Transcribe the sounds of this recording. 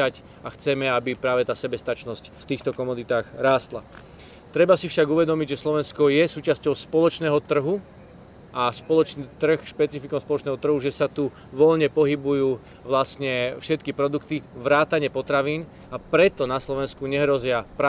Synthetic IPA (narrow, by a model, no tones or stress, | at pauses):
ac | axt͡sɛmɛabipɾaːʋɛt̪aːsɛbɛst̪at͡ʃnɔscft̪iːxt̪ɔkɔmɔd̪it̪aːɣɾaːst̪la̰ | t̪ɾɛbasifʃaɡuʋɛd̪ɔmiɟʒɛslɔʋɛnskɔjɛsuːcascɔʊspɔlɔt͡ʃnɛːɦɔt̪r̩ɦu | ʔaspɔlɔt͡ʃniːt̪r̩xʃpɛt͡sifikɔʊspɔlɔt͡ʃnɛːɦɔt̪r̩ɦuʒɛsat̪u | ʋɔlɲɛpɔɦibujuː | ʋlasɲɛfʃɛt̪kipɾɔd̪ukt̪iʋɾaːt̪aɲɪɛpɔt̪ɾaʋiːn | apɾɛt̪ɔnaslɔʋɛnskuɲɛɦɾɔzɪapɾa